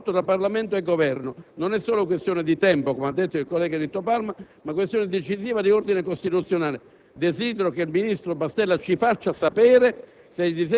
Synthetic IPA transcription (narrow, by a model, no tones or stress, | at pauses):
t̪ːot̪ɾapːarlament̪oeɡːovɛrnononɛsːoːlok̬west̪joːned̪it̪ɛmpokomead̪ːet̪ːoilkolːɛːɡad̪it̪upalma | makwest̪joːnɪd̪et͡ʃiziːvad̪iord̪inekost̪it̪ut̪sjonaːle | d̪eziːd̪eɾokeilminist̪ɾobast̪ɛlːat͡ʃifat͡ʃːasapɛːɾe | sɛjd̪iz̬